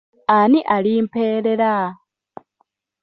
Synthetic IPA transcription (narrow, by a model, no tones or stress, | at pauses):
aniʔalimpeːɾeɾa